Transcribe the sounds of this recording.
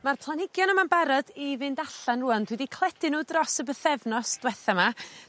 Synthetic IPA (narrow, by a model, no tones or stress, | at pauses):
marpʰlˠanɪɡjɔnəmanbaɾɔdivɨndaɬanruːandwɪdikʰlˠɛd̥ɪnuːdrɔsəbəθɛvnɔsd̥wɛθama